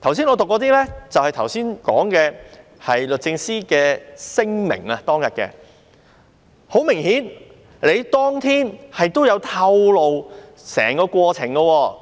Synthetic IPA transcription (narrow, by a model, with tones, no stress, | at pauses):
t̪ʰɐ˨˩wsiː˥nɔ˨˧t̪o˨kːɔː˨˧t̪iː˥lɛ˥t͡sɐ˨whɐ˨jt̪ʰɐ˨˩wsiː˥nkɔ̰ː˨˥ŋkɛː˧ | hɐ˨jlɵ˨t̚t͡sɪ˧ŋsiː˥kɛː˧sɪ˥ŋmɪ̰˨˩ŋɐ˧t̪ɔː˥ŋjɐ˨t̚kɛ̰ː˧ | ho˨˥wmɪ˨˩ŋhiː˨˥n | le˨˧jt̪ɔː˥ŋt̪ʰiː˥nhɐ˨jt̪o˥wjɐ˨˧wt̪ʰɐ˧wlo˨w | sɛ̰ː˨˩ŋkɔː˧kʷɔː˧t͡sʰɪ˨˩ŋɡɐ˧wɔː˧